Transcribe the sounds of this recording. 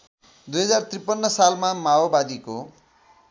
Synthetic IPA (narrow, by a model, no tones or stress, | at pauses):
d̪ujɦʌd͡zart̪ripʌnːʌsalmamaobad̪iko